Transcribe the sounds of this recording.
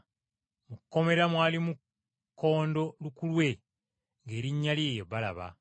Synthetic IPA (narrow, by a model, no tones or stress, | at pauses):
mukːo̞me̞ɾamwaːlimu | kʰːo̞ːndo̞lukulwe̞ | ŋɡe̞ːɾiɲːalje̞jeβala̰βa̰